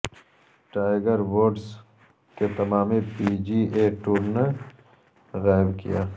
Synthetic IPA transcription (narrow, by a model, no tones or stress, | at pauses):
ʈaːɪɡəɾwoːɖs | ket̪ɐmaːmipid͡ʒiːeːʈuːɾne | ɣaːɪbkḭjaː